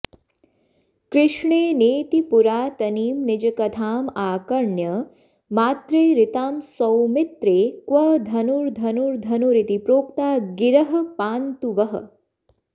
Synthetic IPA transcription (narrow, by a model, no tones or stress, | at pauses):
kɾɪʂɳeːneːt̪ipuɾaːt̪ɐniːmnɪd͡ʒɐkɐt̪ʰaːmaːkɐɾɳjɐ | maːt̪ɾeːɾɪt̪aːmsɐwmɪt̪ɾeːkʋɐd̪ʱɐnuɾd̪ʱɐnuɾd̪ʱɐnuɾit̪ipɾoːk̚t̪aːɡɪɾɐɦɐ̆paːnt̪uʋɐɦɐ̰̆